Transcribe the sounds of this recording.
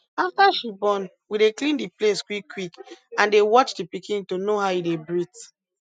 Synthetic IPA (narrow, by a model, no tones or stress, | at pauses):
aftaʃibɔ̃n | wideklĩndipleskwikʰːwikãndewɔt͡ʃdipikĩntonoɦaʊidebɹit